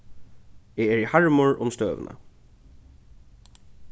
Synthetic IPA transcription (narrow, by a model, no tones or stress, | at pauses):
ɛɛɹihaɹmʊɹʊ̰mst̪øːʋ̰nʔa̰